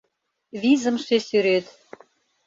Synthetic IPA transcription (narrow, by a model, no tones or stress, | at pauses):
βizə̆mʃesyɾet̪